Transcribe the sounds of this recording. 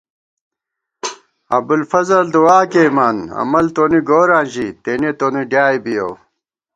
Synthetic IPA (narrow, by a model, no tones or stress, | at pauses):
ɐ̰b̪ulfɐzɐld̪uwaːkemaːnɐ̰mɐlt̪oːniɡoːɾaːnʑit̪eːnet̪oːniɖjaːjbijo̰w